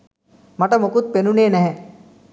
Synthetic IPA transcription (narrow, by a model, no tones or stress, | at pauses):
mɐʈəmokut̪̚penuneːnɛɦɛ